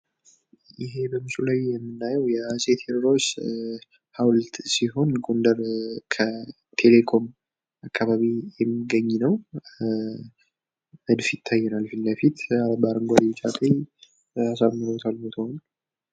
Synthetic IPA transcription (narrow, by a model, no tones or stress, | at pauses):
ʔɪɦe̞bəmɨsulajːɛmːɨnːajəwjɛaset̪ʰeɾɾos | hawlət̪siɦo̞nɡʼond̪əɾkʰə | t̪ʰe̞le̞kʰo̞m | akʰːaβaβijɛmːiɡəɲːnəw | əd̪fit̪ʰːajːɛnalfinləfit̪baɾɨŋɡʷad̪it͡ʃʼat̪ʼe | asaβmɨlot̪ʰalmot̪ʰəhona